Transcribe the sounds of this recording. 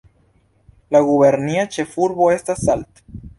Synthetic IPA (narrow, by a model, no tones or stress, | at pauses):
laɣuβeɾniat͡ʃefuɾβoest̪asalt̪